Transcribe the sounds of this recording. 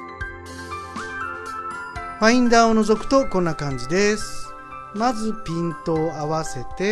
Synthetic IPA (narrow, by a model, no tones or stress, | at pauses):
ɸaĩnd̪aːono̞zo̞kɯ̟̥t̪o̞kõnːakãɲ̟d͡ʑid̪e̞sɨ̥ | mazɨpʲĩnt̪o̞ːaβase̞t̪e̞